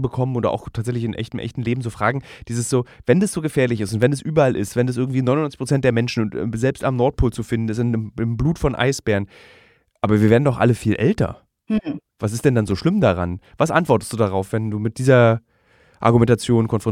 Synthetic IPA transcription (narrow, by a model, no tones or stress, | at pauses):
bəkʰɔmənoːdʔa̰ʊxtʰaːtzɛçlɪçɪnʔɛ̰çtəm̩ʔɛ̰çtn̩leːbm̩zoːfʁ̥aːɡŋ̩d̥iːzəsz̥oːvɛndasz̥oːɡəfeːɐlɪçɪstʊntvɛndɛsʔyːbɐʔalʔɪ̰stvɛndas̬ʔɪɐɡŋ̩tv̥iːnɔnɔnt͡sɪ̥çpʁot͡sɛnt̚d̥eːɐmɛnʃn̩ʊntzɛlpstamnɔɐt̚pʰoːlt͡sufɪndn̩ɛs̬ɪnəmɪmbluːtfɔnʔa̰ɪsb̥ɛːɐʁən | ʔaːbɐviːɐeːdn̩dɔχʔa̰ləfiːlʔɛ̰ltɐ̰ | vas̬ɪstd̥ɛndanzoːʃlɪmdaʁa̰nv̥asʔa̰ntv̥ɔɐtə̥std̥uːdaʁaʊfv̥ɛnduːmɪt̚d̥iːzɐ | ʔa̰ɐɡumɛntat͡sjoːnkʰɔnfʁ̥ɔ